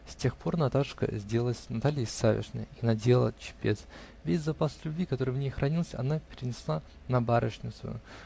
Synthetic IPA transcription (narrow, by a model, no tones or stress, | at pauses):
sʲtʲe̞xpʰo̞rnɐt̪aʂkə̰zʲdʲe̞lˠlˠəsʲnɐt̪alʲɪjɪsavʲɪ̰ʂnɨ̰jinɐdʲelˠə̰t͡ɕɪ̥pʲet̪s | vʲesʲzɐpaslʲʉbʲvʲikɐt̪o̞ɾɨvnʲejxɾɐnʲilˠsʲɐ̰napʲɪɾʲɪnʲɪslˠa | nɐbaɾəʂnʲɪt̪sʊ̰jʊ̰